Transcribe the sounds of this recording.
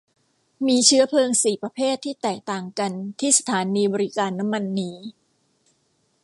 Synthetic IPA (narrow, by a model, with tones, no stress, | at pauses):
miː˧t͡ɕʰɯ˦˥ɐpʰlɤː˧ŋsiː˨˩pɾa˧pʰeː˥˩t̪ʰːiː˥˩t̪ɛː˨˩k̚t̪aː˨˩ŋka˧nt̪ʰiː˥˩sḁ˧t̪ʰaː˩˦niː˧bɔː˧ɾi˦˥kaː˧nːa˦˥mːa˧nːiː˦˥